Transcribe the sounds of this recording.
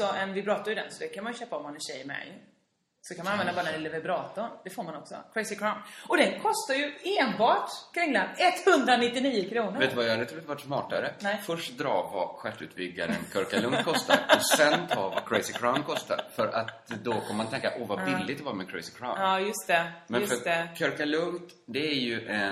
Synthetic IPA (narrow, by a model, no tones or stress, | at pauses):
sɔɛnvɪpɾɑːt̪aɾjʏd̪ɛ̰nsɔd̪ɛkʰanmanjʏɕøːpaɔmanɛnɕɛjmɛ̰j | sɔkʰanmananvɛnd̪abɑːɾaɛnɪlɛvɛbɾɑːt̪ʊɾd̪ɛfoːɾmanɔksɔ̰kʰɾɛjsɪkʰɾaʊnɔd̪ɛnkʰɔst̪aɾjɵeːnbɑːʈkʰɾɪŋlanɛt̪ːhɵnd̪ɾanɪt̪ːɪniːʊkʰɾuːnəɾveːt̪ːʉvajad̪ɛt̪ʰɾut̪əvaʈːsmɑːʈaɾəfœʂʈd̪ɾɑ̰ːva̰ɧæʈːʉ̰ːt̪̚bʏɡːa̰ɾə̰nkʰœɾkalɵŋt̪̚kʰɔst̪aɾɔsɛnt̪ʰɑːva̰kʰɾɛɪsɪkʰɾaʊnkʰɔst̪a̰ɾfœɾat̪d̪ɔkʰɔmːəmant̪ʰɛŋkaʔɔvabɪlːɪɡ̚t̪ɔvɑːɾmɛkʰɾɛɪsɪ̥kʰɾa̰ɑːjɵst̪ɛmɛnfœɾɛkʰœɾkalɵŋt̪ | d̪ɛæɾjɵʔɛ